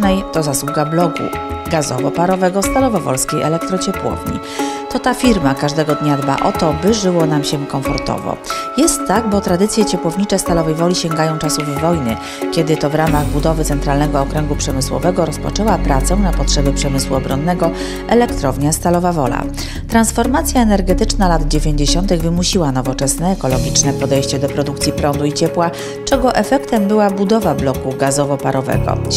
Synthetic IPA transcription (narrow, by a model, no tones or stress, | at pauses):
nɛjt̪ɔzaswuɡablɔɡṵɡazɔ̰vɔpaɾɔvɛɡɔst̪alɔvɔvɔ̰lskʲejʔɛ̰lɛk̚t̪ɾɔt͡ɕɛpwɔ̰vɲḭ | t̪ɔt̪afʲiɾmakaʐd̪ɛɡɔd̪ɲad̪ba̰ʔɔt̪ɔbɘʐɘwɔnamɕɛkɔ̃ɱfɔɾt̪ɔ̰vɔ̰jɛst̪ːaɡ̚bɔt̪ɾad̪ɘt̪sʲjɛt͡ɕɛpwɔvɲit͡ʂɛst̪alɔvɛjvɔlʲiɕɛŋɡajɔ̃w̃t͡ʂasuvːɔjnɘ | kʲɛd̪ɘt̪ɔvɾamaɣbud̪ɔvɘt̪ɛnt̪ɾalnɛɡɔːkɾɛŋɡupʂɛmɘswɔ̰vɛɡɔɾɔspɔ̰t͡ʂɛwapɾat̪sɛw̃napɔtʂɛbʲɘpʂɛmɘswuɔbɾɔnːɛɡɔ | ɛlɛkt̪ɾɔvɲast̪alɔvavɔla̰ | t̪ɾansfɔɾmat̪sʲjaɛnɛɾɡɛt̪ɘt͡ʂnalad̪d͡ʑevʲjeɲd͡ʑeɕɔnt̪ɘɣvɘmuɕiwanɔvɔt͡ʂɛsnɛːkɔlɔɡʲit͡ʂnɛpɔd̪ɛjɕt͡ɕɛd̪ɔpɾɔd̪ukt̪sʲjipɾɔnd̪uit͡ɕɛpwa | t͡ʂɛɡɔʔɛfɛkt̪ɛmbɘwabud̪ɔvablɔkuɡazɔvɔpaɾɔvɛ̰ɡɔ̰